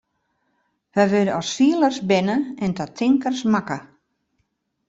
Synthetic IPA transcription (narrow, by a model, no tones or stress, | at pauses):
ʋɛjʋødəɔsfiələrsbɪnəɛndɔtʰɪŋkərsmakə